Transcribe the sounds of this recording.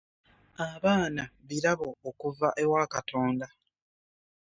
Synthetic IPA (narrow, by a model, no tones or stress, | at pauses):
aβaːnaβiɾaβo̞ːkuvaʔe̞waːkato̞ːnda